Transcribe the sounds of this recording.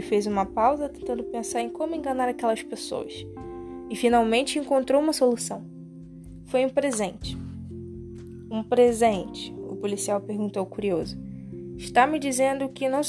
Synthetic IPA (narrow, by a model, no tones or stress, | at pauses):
ɪfejzũmɐpawzɐt̪ẽnt̪ɐ̃nd̪ʊpẽsaɾẽj̃kõmʊẽŋɡɐnaɾakɛlɐspeso̰wɐ̰s | ɪfinawmẽnt͡ʃɪẽŋkõnt̪ɾowũmɐsolusɐ̃w̃ | fojũpɾezẽnt͡ʃɪ̥ | ũpɾezẽnt͡ʃɪ̥ʊ̰polisiawpehɡũnt̪owkuɾiozʊɪʃt̪amɪd͡ʒizẽnd̪ʊkɪnɐ̃w̃